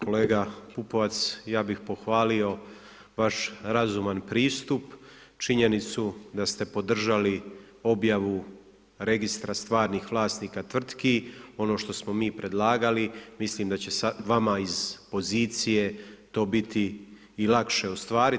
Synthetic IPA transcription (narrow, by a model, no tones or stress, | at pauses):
ko̞le̞ːɡapupo̞ʋat̪sjaːbixpo̞xʋaːlio̞ | ʋaʃɾazumanpɾiːst̪upt͡ʃiɲe̞nit̪sud̪ast̪e̞po̞d̪r̩ʒali | o̞bjaʋu | ɾe̞ɡist̪ɾast̪ʋaːɾnixʋlˠaːst̪niːkat̪ʋr̩t̪kio̞no̞ːʃt̪o̞smo̞miːpɾʔe̞d̪lˠaːɡalimisliːmd̪at͡ɕe̞saʋamaizpo̞ziːt̪sije̞t̪o̞ːbit̪ʰiː | lakʃe̞ost̪ʋaːɾi